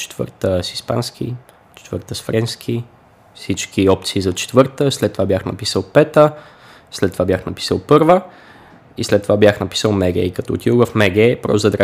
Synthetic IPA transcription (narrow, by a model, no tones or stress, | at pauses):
t͡ʃɛ̥t̪və̰ɾt̪əsispa̰nskḭ | t͡ʃɛ̥t̪vəɾt̪əsfɾɛnskʰi | fsit͡ʃkiɔp̚t̪siːzɐt͡ʃɛ̥t̪vəɾt̪əslɛt̪ːovabjaxnɐ̰pisəlˠpɛt̪ə | slɛt̪ːovabʲjaxnɐpi̥səlˠpɤɾvə | islɛt̪ːovabjaxnɐpi̥səlˠmɛɡɛ̰kɐt̪ɔːt̪iovɐfmɛɡɛpɾɔ̰sd̪əd̪ɾa